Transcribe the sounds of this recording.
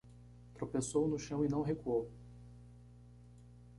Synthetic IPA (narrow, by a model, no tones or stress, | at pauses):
t̪ɾopesownʊʃɐ̃w̃ɪnɐ̃w̃ɦekuow